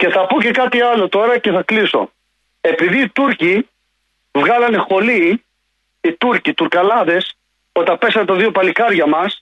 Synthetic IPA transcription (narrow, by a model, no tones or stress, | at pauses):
ce̞θɐpoce̞kɐt̪iɐlo̞t̪o̞ɾɐce̞θɐkliso̞̰ | e̞piðiːt̪uɾci | vɣɐlɐnexo̞liː | t̪uɾcit̪uɾkɐlɐðe̞s | o̞t̪ɐpe̞sɐnt̪ɐðio̞pɐlikɐɾʝɐmɐs